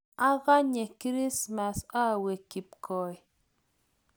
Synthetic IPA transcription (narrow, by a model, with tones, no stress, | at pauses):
a˦ɣa˦ɲe˨kɾi˦sma˨sa˦˨we˨ki˨p̚kʰɔ˨i˨